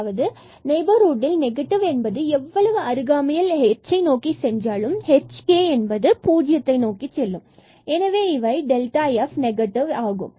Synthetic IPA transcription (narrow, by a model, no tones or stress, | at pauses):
ʋɐðɯ | nɐɪbɐɾoːɖɪlnɛɣɐʈːɪʋɛnbɐðɯɛʋːɐɭɐʋɯɐɾɯɣaːmɐjɪlhɛt͡ʃːɐɪnoːkisɛɲd͡ʒraːɭɯmhɛt͡ʃkeːɛnbɐðɯpuːd͡ʒɪjɐt̪ːɐɪnoːkit͡ʃːɛlːɯm | ɛnɐʋeːɪʋɐɪɖɛlʈaːjɛfnɛɡɐʈːɪʋaːɣɯ̰m